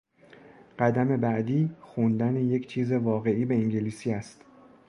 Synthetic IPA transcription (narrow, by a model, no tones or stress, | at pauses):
ɢ̥æd̪æme̞bæʔd̪iːxund̪æneje̞cʰt͡ʃʰiːze̞vɒːɣe̞ʔiːbe̞iŋɟeliːsiːæst̪